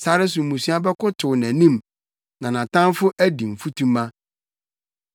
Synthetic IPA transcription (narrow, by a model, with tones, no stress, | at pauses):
sa˦ɾɪ˦s̬ʊ˨mũ˨si˦a˦bɛ˦kʊ˦tʰʊ˨wnæ̃˨nĩ˦˨m | nã˨nã˨tʰã˦mfʊ˦ʔæ˦di˨m̩˨fu˦tʰũ˦mã˦